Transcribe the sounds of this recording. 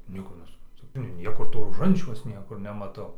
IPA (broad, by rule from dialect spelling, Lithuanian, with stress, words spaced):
ˈnʲiɛkoː nʲɛsʊprɐnˈtʊ ɪr ˈnʲiɛkoː toː roːˈʒɐnʲt͡ʃʲɛʊs ˈnʲiɛkʊr nʲɛmɐˈtɐʊ